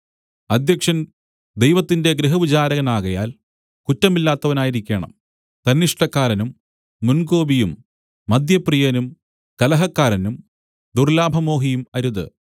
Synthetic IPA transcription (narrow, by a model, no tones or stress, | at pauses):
ɐd̪ʱjɐkʂɐn | d̪ejʋɐt̪ːinde̞ɡɾeɦɐʋit͡ɕaːɾɐɣɐnaːɣɐja̰ːl | kutːɐmilːaːt̪ːɐʋɐnaːjiɾikʲːe̞ːɳɐ̰m | t̪ɐnːiʂʈɐkːaːɾɐnumː | unɡo̞ːbijumː | ɐd̪jɐprijɐnum | kɐlɐɦɐkːaːɾɐnum | d̪urlaːbʱɐmo̞ːɦijumɐɾuðɨ̰